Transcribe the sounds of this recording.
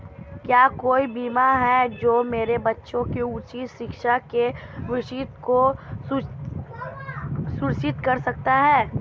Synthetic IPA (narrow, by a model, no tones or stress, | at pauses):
kjaːkoːibiːmaɦɛd͡ʒoːmeːɾebɐtːʃõkeut͡ʃiʃɪkʃakeʋɪʃit̪ko | sʊɾʃɪt̪kɐɾsɐk̚t̪aɦɛː